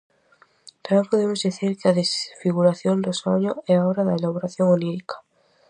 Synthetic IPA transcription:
t̪amapoðemozðiθiɾkeaðesfiɣ̞uɾaθjo̞nd̪osaɲoeao̞ɾaðaelaβ̞oɾaθjoŋoniɾikʰḁ

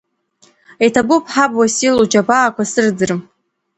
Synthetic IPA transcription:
ejtʰabupʰħabwasilod͡ʒabaːkʷasɨrd͡zɨrm

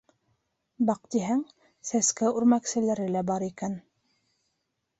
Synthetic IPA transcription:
bɑq̚t̪iɦæŋ | sæskæʉɾmæksɘ̆læɾɘlæbɑɾikæn

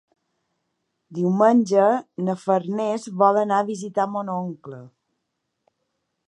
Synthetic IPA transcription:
d̪iwmənʲd͡ʒənəfəɾnezβɔlˠənaəβizit̪amonoŋklə

